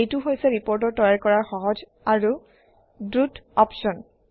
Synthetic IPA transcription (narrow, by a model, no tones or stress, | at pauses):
ejtuɦojsɛɹipɔɹtɔɹtɔjaɹkɔɹaɹxɔɦɔd͡ʒ | aɹu | dɹutɔpʃɔn